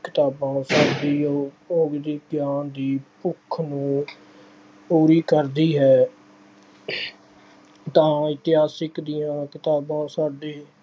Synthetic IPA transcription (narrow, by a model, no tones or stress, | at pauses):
kɪt̪aːbãːsaːdiː | oːɡd̪iːɡjaːnd̪iːpʊkʰːnũː | puːɾiːkəɾd̪iːɦɛː | t̪ãːɪt̪ɪɦaːsɪkd̪ɪjãːkɪt̪aːbãːsaːɖeː